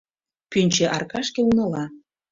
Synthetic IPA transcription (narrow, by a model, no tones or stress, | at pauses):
pynʲt͡ɕĕʔɑrkɑʃkeunɤ̆lɑ